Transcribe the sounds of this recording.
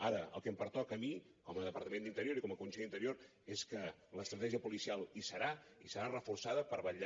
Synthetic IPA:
aɾəə̰lˠkəmpəɾt̪ɔkəmi | kɔməðəpəɾt̪əmenint̪əɾjoɾikɔməkunseʎint̪əɾioɾ | eskələst̪ɾət̪ɛʒiəpulisialˠisəɾaisəɾarəfursaðəpəɾβəʎ

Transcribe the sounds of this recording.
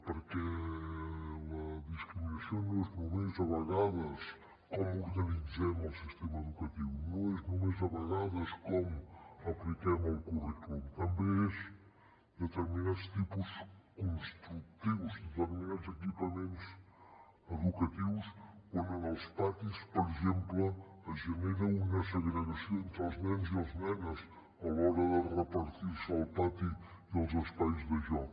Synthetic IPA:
pəɾkɛ | lɐðiskɾiminɐsjonnznumezɐβɐɣaðɐs | kɔmuɾɣɐnizɛmɐlˠsist̪emɐeðukɐt̪iβunoɛznomezɐβɐɣaðɐskɔmuɐplikɛmɐlˠkurikumt̪ɐmbeez | d̪ət̪əɾminad̪st̪ipuskõnst̪ɾuk̚t̪iβuzðət̪əɾmĩnad̪uzekipɐmẽnt̪us | ɐðukɐt̪iβuʃkɐnɐnawˠspat̪ispoɾiʒẽmplɐɐʒɐneɾɐunɛsɐɣnəɣɐsjoẽnt̪ɾɐznɛnziɐznɛnɐs | ɐlɔɾɐðɐrəpɐɾt̪iɾsawpat̪i | iɐwˠzɐspaizðɐʒɔ

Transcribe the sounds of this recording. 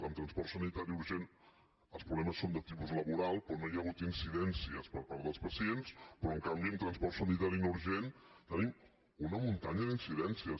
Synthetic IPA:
əmt̪ɾənspɔɾt̪sənit̪aɾiuɾʒen | əlˠspɾuβlɛməsːond̪ət̪ipuzləβuɾalˠpɾɔnojaɣ̞ut̪insiðɛnsiəspəɾpaɾəlˠspəsienspɾɔəŋkambiəmt̪ɾənspɔrsənit̪aɾinouɾʒent̪ənim | unəmunt̪aɲəðinsiðɛnsiə

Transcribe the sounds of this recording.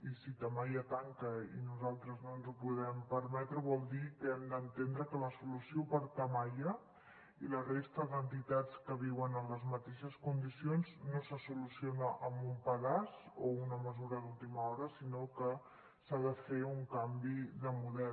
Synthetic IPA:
isit̪əmajət̪aŋkəinuzalˠt̪ɾəznonzupuðɛmpəɾmɛt̪ɾəβɔlˠd̪ikəɛmd̪ənt̪end̪ɾəkələsulusiopəɾt̪əmajə | ilərest̪əðənt̪it̪at͡skəβiwənənləzmət̪eʃəskund̪isionznosəsulusionəʔəmbumpəðazounəməzuɾəðulˠt̪iməɔɾəsinokə | saðəfeuŋkambiðəmuðɛ

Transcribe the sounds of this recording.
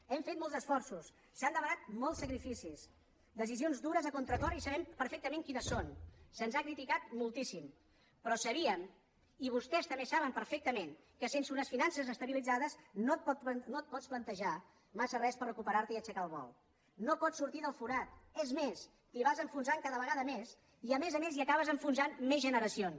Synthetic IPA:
ɛmfet̪mɔlˠzəsfɔrsusː | and̪əβənat̪̚mɔlˠsːəkɾifisis | d̪əs̬izionzd̪uɾəzəkont̪ɾət̪ɔɾisəβɛmpəɾfɛk̚t̪əmeŋkinəsːonsənzakɾit̪ikat̪̚mulˠt̪isim | pɾɔsəβiəm | iβ̞ust̪ɛst̪əmbesaβəmpəɾfɛk̚t̪əmen | kəsensunəsfinansəzəst̪əβilid͡zaðəsnot̪̚pɔt̪not̪̚pɔt͡splənt̪əʒa | masərɛspərːəkupəɾaɾt̪əiət͡ʃəkalˠβɔ̰lˠ | nopɔsuɾt̪iðəlˠfuɾat̪̚ɛzmes | t̪iβazəɱfunzaŋkaðəβəɣaðəmes | iəmezəmeziəkaβəzəɱfunzanmezʒənəɾəsion

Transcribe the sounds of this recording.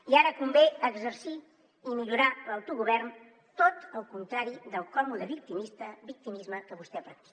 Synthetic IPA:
iaɾəkumbeəɡzəɾsi | imiʎuɾaləwt̪uɣuβɛrn | t̪ot̪əlˠkunt̪ɾaɾiðəlˠkɔmuðəβik̚t̪imist̪əbik̚t̪imizməkəβust̪ɛpɾək̚t̪i̥k

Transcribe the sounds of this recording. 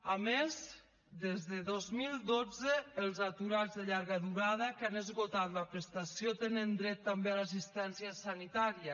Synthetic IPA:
amez | d̪ezðəðozmilˠd̪od͡zəːlˠzat̪uɾazðəʎaɾɣəðuɾaðəkanəzɣot̪at̪ləpɾəst̪asjot̪enənd̪ɾɛt̪ːambealas̬ist̪ɛnsiəsanit̪aɾiə

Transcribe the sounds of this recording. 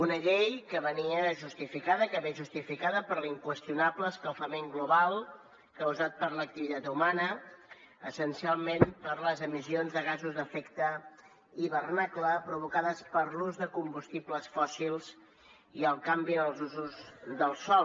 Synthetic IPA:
unəʎejkəβəniəʒust̪ifikaðəkəβeʒust̪ifikaðəpəɾliŋkwəst̪iunapləskəlˠfəmeŋɡluβalˠ | kəwzat̪̚pəɾlək̚t̪iβit̪at̪umanə | əsənsialˠmempəɾləzəmisionzðəɣ̞azuzðəfɛkt̪ə | iβərnakləpɾuβukaðəspəɾluzðəkumbust̪ipləsfɔsilˠz̥ | iəlˠkambiðəlˠzuzuzðəlˠsɔ

